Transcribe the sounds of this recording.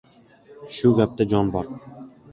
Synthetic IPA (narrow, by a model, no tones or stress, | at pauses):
ʃʊɡʲap̚t̪ad͡ʒɒnbɒɾ